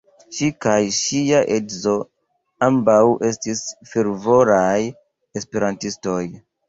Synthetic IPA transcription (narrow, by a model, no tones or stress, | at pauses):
ʃikajʃiaʔedzo̞ | ambawʔe̞stisfeɾvo̞ɾaj | espe̞ɾantisto̞j